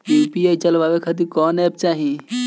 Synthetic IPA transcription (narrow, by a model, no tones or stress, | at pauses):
pipiait͡ʃəlʋaʋekʰət̪̬ikɔnɛb̚t͡ʃaːɦi